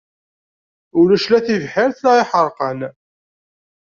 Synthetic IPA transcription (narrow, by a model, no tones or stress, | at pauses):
ʊlæʃlæθivħɪɾθlæʁɪħəɾˤqən